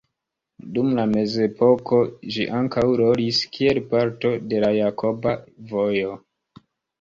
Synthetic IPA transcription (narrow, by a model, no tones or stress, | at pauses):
dumlame̞ze̞po̞ko̞ʒḭʔaŋkawɾo̞liskʰie̞lpaɾto̞de̞lajako̞bavojo̞